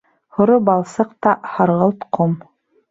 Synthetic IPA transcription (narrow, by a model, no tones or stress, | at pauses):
hŏɾobɑlˠsɤqt̪ɑhɑɾʁɤlˠt̪qʰom